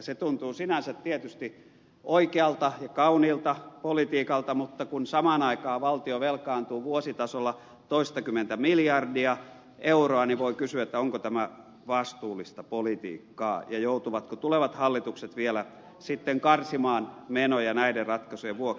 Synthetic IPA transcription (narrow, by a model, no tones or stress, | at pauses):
set̪unt̪uːsinænsæt̪tiet̪yst̪i | ʔoikeɑlt̪ɑjɑkɑuniːlt̪ɑpolit̪iːkɑlt̪ɑmut̪ːɑkunsɑmɑːnɑikɑːʋɑlt̪ioʋelkɑːnt̪uːʋuosit̪ɑsolːɑ | t̪oist̪ɑkymːˑent̪æmiljɑrdiɑ | ʔeuroɑniʋoikysyæet̪ːæoŋkot̪æmæ | ʋɑst̪uːlːˑist̪ɑpolit̪ḭːkːɑ̰ːjɑjout̪uʋɑt̪kot̪uleʋɑt̪hɑlːit̪ukset̪ʋielæ | sit̪ːeŋkɑrsimɑːnmenojɑnæiderrɑt̪kɑsueʋuok